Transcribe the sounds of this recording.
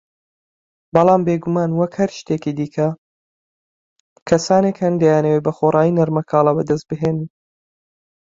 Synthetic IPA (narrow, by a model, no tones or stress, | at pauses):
bɑlˠɑːmbeːɡumaːnwɐkhɐɾʃt̪eːkid̪iːkʰɐ | kʰɐsaːneːkhɐnd̪ɐjaːnɐwebɐxorˤɑːjinɐɾmɐkʰɑːlˠɑbɐd̪ɐst̪̚bɨɦeːnn